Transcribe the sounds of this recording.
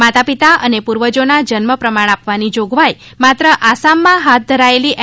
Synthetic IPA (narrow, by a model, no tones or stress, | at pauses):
mat̪apit̪aʔənepuɾʋəd͡ʒonad͡ʒənməpɾəmaɽ̃apʋanid͡ʒoɡʋaj | mat̪ɾəʔasamːãɦat̪̚ʰd̪ʱəɾaeliʔ